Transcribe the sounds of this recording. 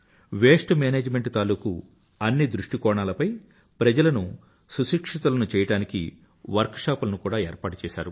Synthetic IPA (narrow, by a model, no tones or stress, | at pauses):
ʋeːʂʈmeːneːd͡ʒmeɳʈt̪aːluːku | ɐnːid̪ɾuʂʈikɔːɳaːlɐpɐj | pɾɐd͡ʒɐlɐnu | suʃiːkʂit̪ulɐnut͡ʃɛːjɐɽaːnikḭ | ʋɐɾkʂaːpulɐnukuːɽaːɛːɾpaːʈut͡ʃɛːʃaːɾu